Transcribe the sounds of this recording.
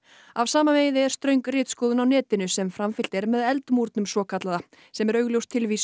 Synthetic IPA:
avsaːmaveːjðɪɛɾ̥st̪ɾœɥŋkrɪːt̪skɔːwðʏnawnɛːt̪ɪnʏsɛmfɾamfɪl̥t̪ɛɾmɛðɛlt̪muɾt̪nʏmsɔːkʰat̪laða | sɛmɛɾœɥɣljowst̪ʰɪlviːs

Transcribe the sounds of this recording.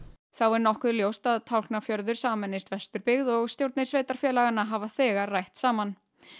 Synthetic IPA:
θawɛɾnɔhkʏðljowst̪aðt̪ʰawl̥knafjœɾðʏɾ̥saːmɛnːɪst̪vɛst̪ʏɾpɪɣðɔɣst̪jowɾt̪nɪɾ̥sveːjt̪aɾ̥fjɛːlaɣanːaɦaːvaθɛːɣarajht̪saːman

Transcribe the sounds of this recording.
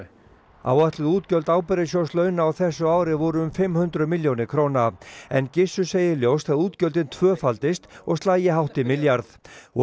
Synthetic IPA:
a̰waht̪lɪðuːt̪cœlt̪aːwpɛɾɪsjowslœːɥnaːwθɛsːʏaːwɾɪvɔɾʏʏmfɪmhʏnt̪ɾʏmɪljownɪkʰɾoːwnaɛ̰ncɪsːʏseːjɪljowst̪θaɣuːt̪cœlt̪ɪnt̪ʰvœːfalt̪ɪst̪ɔɣst̪aːjɪɦawht̪ɪmɪljaɾθ

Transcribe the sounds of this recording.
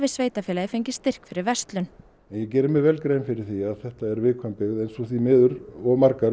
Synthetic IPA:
vɪsveːjt̪afɛːlaðɪfejɲcɪst̪ɪr̥kfɪɾɪɾvɛst̪lʏn | ɛnjɛcɛːɾʏmɪvɛlkɾeːjnfɪɾɪɾ̥θiaðθɛht̪aɛɾvɪkʰvampɪɣðɛnsɔθimɪːðʏɾɔɣmarkaɾ

